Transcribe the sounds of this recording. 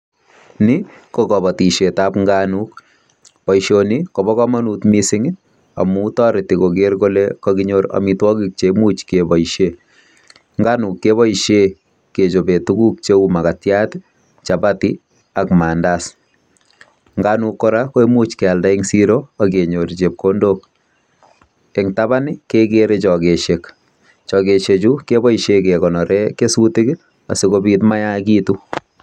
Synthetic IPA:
nɪ | kɔkɔ˨bɔ˨ti˨ʃetapŋɡanuk | pɔ˨iʃonikɔ˨bɔ˦kɔma˦nutmisɪŋ | a̰mu˦tɔ˦ɾɪti˨kokeɾkolekɔkiɲoɾa̰mitwɔ˦kik̚t͡ʃemut͡ʃkebɔ˨iʃe | ŋɡanu˨kːe˦βɔ˦iʃe | ke˨t͡ʃo˨be˨tuɡu˦k̚t͡ʃe˦uma˨katjat | t͡ʃa˨bati˦ | a˨kma˨ndas | ŋɡanukːɔ˦ɾako˦e˦mu˦t͡ʃke˨a˨lda˦i˦ŋsi˦ɾoa˨ke˨ɲo˨ɾt͡ʃe˨p̚ko˦ndo˦k | e˨ŋtaba˦nɪke˦keɾe˦t͡ʃɔ˨ke˨ʃe˨k | t͡ʃɔ˨ke˨ʃe˨t͡ʃu˦ke˦bɔ˦iʃe˦ke˨kɔ˨nɔ˨ɾe˦ke˦su˦tɪ˦k | a̰˨si˦ko˦bi˦tma˦ja˦kiː˦tu˦

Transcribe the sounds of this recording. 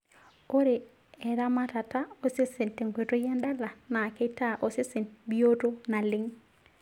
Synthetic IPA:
o˦ɾe˨ | ɛ˨ɾa˦ma˦ta˨ta˦o˦se˦se˨nte˨ŋɡwe˨to˦ja˦nda˦la˨na˨ke˦i˦ta˦ʔo˨se˦si˨nbi˦o˦to˦na˨lɪ˦ŋ

